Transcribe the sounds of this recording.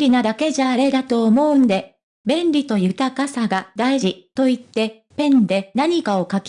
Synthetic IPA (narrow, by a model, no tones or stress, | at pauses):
ɾʲinad̪ake̞ʑaːɾe̞d̪at̪o̞ːmo̞ɯ̟nd̪e̞ | bẽ̞nɾʲit̪o̞jɯ̟t̪akasaɡad̪aiʑit̪o̞it̪ːe̞ | pẽ̞nd̪e̞naɲ̟ikao̞kakʲ